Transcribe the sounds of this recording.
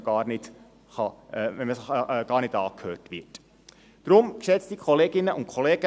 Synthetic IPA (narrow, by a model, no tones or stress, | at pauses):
ɡ̥ɑːɾnɪt | χɑʋɛnməsɡ̥ɑːɾnɪdɑːkʰhøːtʋɪt | d̥ɾʊmkʃɛt͡stdikʰɔleːɡɪnːəʔʊntkʰχɔleːɡ̥ə